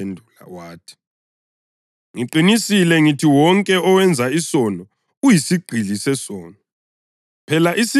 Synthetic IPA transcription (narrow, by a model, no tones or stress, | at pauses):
endʱula̰waːtʰi̥ | ŋiǃinisilɛŋitʰiwɔŋkʼɛɔwɛnd͡zʱaisɔnɔ | ujisiɡ͡ǃ̥ʱilisɛsɔːnɔ | pʰɛlaʔisi